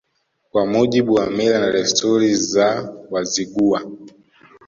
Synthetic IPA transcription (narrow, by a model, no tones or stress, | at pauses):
kwamuʄiɓuwamiɾanaɾɛstʰɔɾizawaziɡua